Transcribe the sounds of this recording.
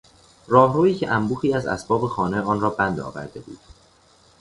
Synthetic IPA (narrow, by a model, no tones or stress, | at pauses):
rɒːhɾoːiːcʰeʔæmbuːxiːæzæ̰sbɒːbe̞xɒːne̞ɒːnrɒːbænd̪ɒ̰ːvæ̰ɾd̪e̞bṵːd̪̥